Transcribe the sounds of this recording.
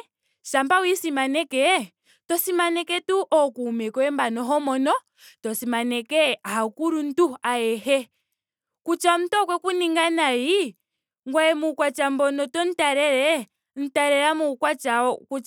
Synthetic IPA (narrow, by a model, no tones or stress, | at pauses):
ʃambawisimanɛkɛ | tɔsimanɛkɛtuʔɔkuːmɛkɔɛmbanɔɦɔmɔnɔ | tɔsimanɛkɛaakuɾun̩tuaɛhɛ | kut͡ʃam̩tɔkwɛkuniŋɡanaji | ŋɡwaɛmukwat͡ʃambɔnɔtɔn̩taɾɛɾɛ | n̩taɾɛɾamukwat͡ʃaɔku